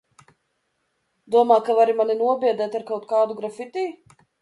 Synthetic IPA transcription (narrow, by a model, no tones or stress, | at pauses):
d̪uɔmaːkavaɾimaninuɔbʲiɛd̪ɛːt̪aɾkawt̪̚kaːd̪uɡɾafit̪ʲiː